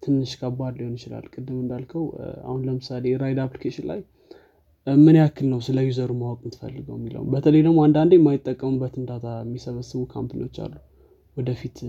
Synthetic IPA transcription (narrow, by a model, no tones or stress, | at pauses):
t̪ʰɨnːɨʃkʰabad̪liho̞njɪt͡ʃɪla̰lkʼɨd̪ːɨmɨnd̪alkʰəwa̰hunləmɨsaleɾajd̪aplikʰeʃɪnla̰j | mɨnakʰːɨlnəwsɨləjuzəɾumawɔkʼnt̪ʰɨ̥fə̰lːɨɡəwmːilə̰wṵmbət̪ʰələjd̪əmoand̪and̪emajɪt̪ʼːəkʼːəmɨbət̪ɨnd̪at̪ʰajɛmːisəβəsːɨβukʰampʰino̞t͡ʃːa̰lːu | wɔd̪əfit̪